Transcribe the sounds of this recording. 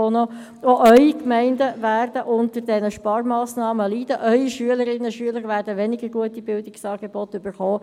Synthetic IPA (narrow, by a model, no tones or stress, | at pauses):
ono | oʔœʏikmɛɪndəvæːrd̥əʔʊntəɾd̥ɛnəʃpɑːrmɑːsnɑːməliːd̥əʔœʏiʃyələɾɪnːəʃyələʁʋæːɾdəʋɛnɪɡəɾɡuətibɪldɪksɑːɡ̥eb̥ɔtʏb̥əɾχoː